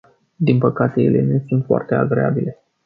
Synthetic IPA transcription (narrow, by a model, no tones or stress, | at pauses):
d̪inpəkat̪e̞je̞̰lʔe̞nusunt̪foa̰rt̪e̞a̰ɡɾe̞a̰bile̞